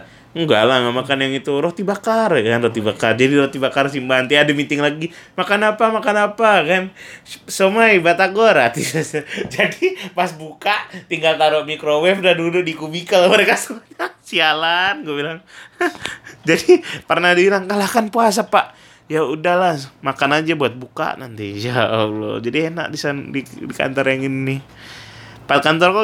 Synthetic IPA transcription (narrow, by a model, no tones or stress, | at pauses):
ŋɡa̰lahŋamakanjaŋit̪uɾot̪ibakarkanrot̪ibakard͡ʒadiɾot̪ibakars̬imbaɦant̪iadɛmint̪ɪŋlaɡimakanapamakanapakansəmajbat̪aɡaɾat̪issd͡ʒadipasbukaʔt̪iŋɡalt̪aɾoʔmikɾowɛfdandudʊdikubikəlməɾekasəmaɲasialanɡuɛʔbilaŋ | d͡ʒadipərnadibilaŋkalahkanpuas̬apaʔ | jaudahlahmakanad͡ʒabuat̪̚buka̰ʔna̰nt̪id͡ʒalo̰d͡ʒadiena̰ʔdisandidika̰nt̪ɔrjaŋinni | pakant̪ɔrko